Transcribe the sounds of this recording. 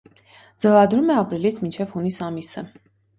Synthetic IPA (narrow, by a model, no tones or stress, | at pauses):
d͡zəvɑd̪ɾumɛɑpɾilit͡sʰmint͡ʃʰɛvhunisɑmisə